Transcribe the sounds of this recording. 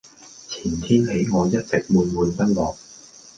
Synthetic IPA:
t͡sʰiː˨˩nt̪ʰiː˥nhe˨˥jŋɔː˨˧jɐ˥t̚t͡sɪ˨k̚muː˨˧nmuː˨˧npɐ˥t̚lɔː˨˧k̚

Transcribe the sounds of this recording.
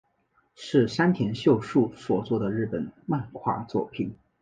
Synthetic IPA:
ʂɻ̩˥˩ʂa˥nt̪ʰjɛ˧˥nɕjo˥˧ʊʂu˥˩swɔ˨˧˩t͡swɔ˥˩d̪ə˩ɻɻ̩˥˩pə˨˩˦nma˥˧nkʰwa̰˥˧t͡swɔ̰˥˧pʰi˨˩ŋ

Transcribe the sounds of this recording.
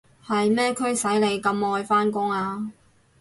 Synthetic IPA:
hɐ˨jmɛː˥kʰɵ˥ɥsɐ˨˥jle˨˧jkɐ˧mɔː˧jfaː˥nkʊ˥ŋaː˧

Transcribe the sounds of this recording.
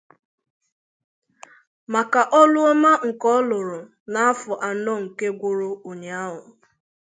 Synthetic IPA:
ma˨ka˨ʔɔ˦lʊ˦ɔ˦ma˦ŋ̩˨kɔ˦lʊ˨ɾʊ˨ | na˨a˦fʊ˨ʔa˨nɔ˦ŋ̩˨ke˦ɡʷʊ˦ɾo˦o˨ɲe˨a˦ɦʊ˨

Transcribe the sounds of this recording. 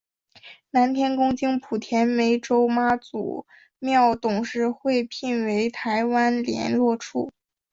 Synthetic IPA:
na˧˥nt̪ʰjɛ˥nkʊ˥ŋt͡ɕi˥ŋpʰu˨˩t̪ʰjɛ˧˥nme˧˥ɪʈ͡ʂo˥ʊma˥t͡sṵ˨˩ | mjɑ˥˩ʊt̪ʊ˨˩ŋʂɻ̩˧˥xwe˥˧ɪpʰi˥˩nwe˧˥ɪt̪ʰa˧˥ɪwa˥nljɛ̰˧˥nlwɔ˥˧ʈ͡ʂʰṵ˥˩

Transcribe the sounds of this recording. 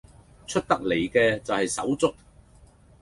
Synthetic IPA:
t͡ʃʰɵ˥t̚t̪ɐ˥k̚le˨˩jkɛː˧t͡sɐ˨whɐ˨jsɐ̰˨˥wt͡sʊ˥k̚

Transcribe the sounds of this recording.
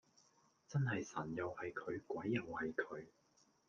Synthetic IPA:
t͡sɐ˥nɦɐ˨jsɐ˨˩njɐ˨whɐ˨jkʰɵ˨˧ɥkʷɐ˨˥jːɐ˨whɐ˨jkʰɵ˨˧ɥ

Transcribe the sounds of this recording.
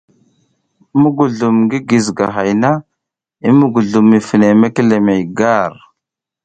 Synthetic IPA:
mu˦ɡu˨ɮu˨mɡi˦ɡi˨zɡa˨ɦa˨jna˦ | i˦mu˦ɡu˨ɮu˨mːi˨fi˨ne˨me˦ke˦le˨me˨jɡa˦ɾ

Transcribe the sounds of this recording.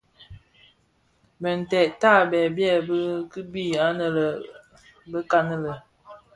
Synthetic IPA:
bə˨n̩˨tɛ˨ta˦˨bɛ˨bjɛ˦˨bə˦kə˦bi˦˨a˦nə˨lə˨ | bə˦ka˦nə˦lə˨

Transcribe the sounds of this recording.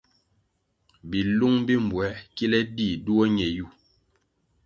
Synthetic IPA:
bi˨lu˦ŋbi˦m̩˨bwɛ˨˦ki˦lɛ˦di˦˨du˦o˦ɲɛ˨ju˦˨

